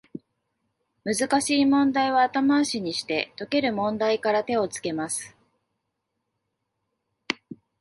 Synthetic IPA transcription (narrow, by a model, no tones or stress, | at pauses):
mɯ̟zɨkaɕiːmõ̞nd̪aiβ̞aːt̪amaɕiɲ̟iɕi̥t̪e̞t̪o̞ke̞ɾɯ̟mõ̞nd̪aikaɾat̪e̞o̞t͡sɨ̥ke̞masɨ̥